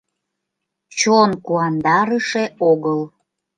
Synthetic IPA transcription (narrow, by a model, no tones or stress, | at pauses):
t͡ɕonkuɑnd̪ɑɾəʃeoɣəl